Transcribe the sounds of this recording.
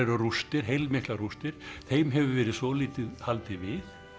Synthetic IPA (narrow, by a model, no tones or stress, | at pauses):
ɛɾʏrust̪ɪɾ̥ɦejlmɪhklaɣrust̪ɪɾ̥θejmɦɛvʏvɛːɾɪðsɔliːt̪ɪðhalt̪ɪvɪ